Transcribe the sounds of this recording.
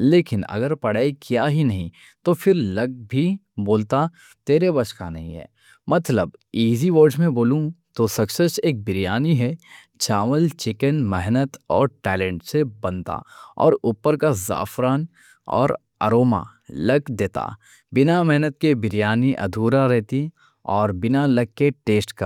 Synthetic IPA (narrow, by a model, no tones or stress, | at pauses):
leːkɪnɐ̰ɡəɾpɐɽaːikjaːɦinɐɦĩ | t̪ofʰɪɾlɐɡ̚bʱi | boːlt̪a | t̪eːɾebɐt͡ʃka̰nɐɦĩɦɛ̰ː | mɐt̪ləbiːziʋoːɾɖmẽboːlũt̪osɐksəʃeːk̚bɪɾijaːniɦɛ | t͡ʃaːməlt͡ʃɪkənmɛɦnət̪ɔːɾʈɛːlẽːɳʈsebɐ̃nt̪a̰ɔ̰ːɾʊpːəɾkaza̰ːfɾaːn | ɔ̰ːɾ | ɐ̰ɾoːma̰ | lɐɡd̪eːt̪a̰ | bɪnamɛɦnət̪̚kebɪɾijaːniʔɐ̰d̪ʱuːɾaɾɛɦt̪i | ɔːɾbɪnalɐɡ̚keʈeːsʈkɐ